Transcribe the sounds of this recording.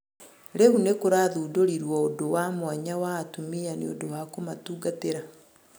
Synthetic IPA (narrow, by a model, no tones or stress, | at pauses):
ɾeɣunekoɾaðuːdoɾiɾwɔodowamwaɲawaːtumianḛo̰dowakomatuːɡateɾa